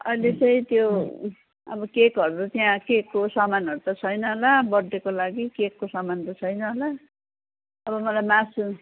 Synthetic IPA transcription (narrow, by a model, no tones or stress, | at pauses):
ʌ̰jlet͡sʌĩt̪jo | ʌ̰bʌkekɦʌɾuɾut̪jãkekːosʌmanʌɾut̪ʌt͡sʰʌjnʌɦolabʌd̪ːekolaɡikekːosʌmant̪ʌt͡sʰʌjnʌɦola | ʌbʌmʌlajmãsu